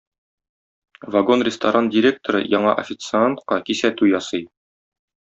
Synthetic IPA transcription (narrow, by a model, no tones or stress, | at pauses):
vɐɡo̞nrʲɪst̪aɾandʲɪɾʲek̚t̪oɾɤ̰jɒɴɑʔɐ̰fʲɪt̪sɨant̪qɑkisæt̪ʉjɒsɤj